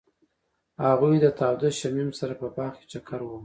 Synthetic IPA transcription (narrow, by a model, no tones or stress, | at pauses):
haɣujd̪ət̪ɑwd̪aʃamimsaɾapəpɑxke̥t͡ʃakʰaɾwu